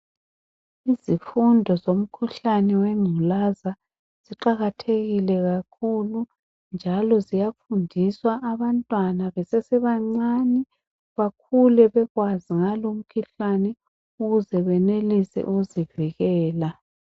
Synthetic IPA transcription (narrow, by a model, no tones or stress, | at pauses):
izifundʱɔzom̩kʰuɬanɛwɛŋ͡ǀʱulaza | z̥iǃaɣatʰeɣilɛɣakʰulu | nd͡ʒʱalɔzijafundʱiswaʔːβantʼwanaβɛsɛsɛβaŋ͡ǀanɛ | βak̚ʰulɛβɛɣwaziŋalom̩kʰiɬanɛ | uɣuzɛβɛnelisɛ̰ʔuɣuziviɣɛːla